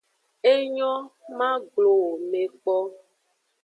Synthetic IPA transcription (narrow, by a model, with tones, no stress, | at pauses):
e˦ɲɔ̃˦mã˦ɡ͡blo˨wo˨me˨k͡pɔ˦